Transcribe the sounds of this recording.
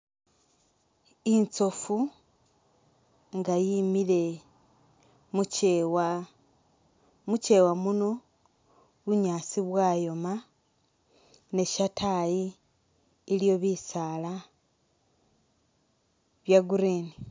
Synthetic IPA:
int͡so̞fu | ŋɡajimile̞ | muw | muce̞wamuno̞ | βuɲaːt͡siβwaːjo̞ma | ne̞ʃatʰajiː | ljo̞βisaːla | βjaɡuɾeni

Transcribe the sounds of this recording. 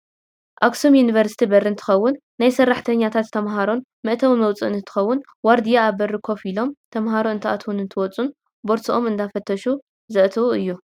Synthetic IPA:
ʔaksomjunivɐɾsi̥t̪ʰibɐrɨnt̪ʰɨ̥xɐwːʊnːajsɐrːaħt̪ʰɐɲːat̪ʰat̪ːʰɐmɦaɾo̞n | mɐʔt̪ʰɐwimɐwt͡sʼɨɨnɨnt̪ʰːɨ̥xɐwːʊn | waɾd̪ijaːβɐrɨkʰo̞filo̞mt̪ʰɐmɦaɾoɨnt̪ʰɐʔa̰t̪ʰunɨnt̪ʰɨwɔt͡sʼun | bo̞ɾsiʔo̞mɨnd̪afɐt̪ʰːɐʃu | zɐʔt̪ʰɨuɨjːu

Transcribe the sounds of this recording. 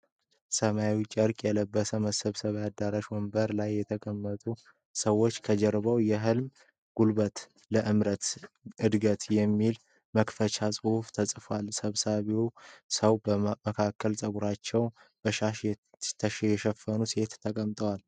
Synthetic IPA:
səmajwit͡ʃʼəɾkʼjɛləbːəsəməsəβsəβjad̪aɾaʃwɔmbəɾlajːɛt̪ʰəkʼəmːət̪ʼu | səwːot͡ʃːkʰəd͡ʒɛɾβəwjɛɦɨlm | ɡ̥ulbət̪ | ləʔɨmɾət̪ | ʔɨd̪ɡət̪jɛmːil | məkfət͡ʃʰasʼɨhuft̪ʰəsʼfwalsəβsaβiwsəwbəməkʰakʰːəlsʼəɡuɾat͡ʃːɛw | bəʃaʃj | t̪ʰəʃjɛʃɛfːənuse̞t̪ːʰəkʼəmt̪ʼəwal

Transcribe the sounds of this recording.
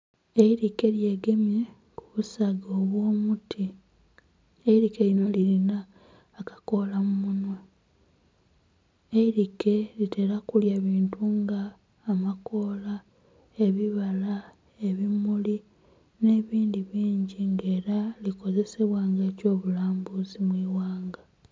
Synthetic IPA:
eiɾike̞lje̞ːɡe̞mje̞ | kuβusaɡoːβwo̞ːmutʰi | eiɾikelino̞lilinaː | kḁko̞lamumunwe | eiɾike̞lite̞ɾakuljaβiːntuŋɡaː | mako̞ːla | e̞βiβala | e̞βimuli | ne̞ːβiːndiβiːɲɟiŋɡe̞ːɾaliko̞ze̞se̞βwaːŋɡe̞ːco̞ːβulaːmbuzimwiːwaːŋɡa

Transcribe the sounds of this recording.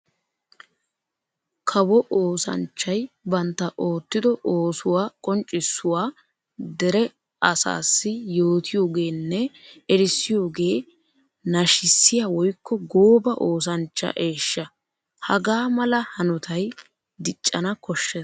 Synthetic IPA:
kʰɐwɔʔoːsɐ̰nt͡ʃːɐjbɐnt̪ːɐʔo̞ːt̪ːɪd̪ɔʔoːsʊwaːkʼɔnt͡ʃʼːɪsːʊwaː | d̪ɛɾɛ | ɐsa̰ːsːɪjo̞ːt̪ʰɪjo̞ːɡe̞ːnːɛɛɾɪsːɪjo̞ːɡe̞ː | nɐʃɪsːɪjaːwɔjkːɔɡoːbɐʔoːs̬ɐnt͡ʃːɐ̰ʔe̞ːʃːɐ | hɐɡaːmɐlɐhɐnɔt̪ʰɐj | d̪ɪt͡ʃʼːɐnɐkɔʃːeː

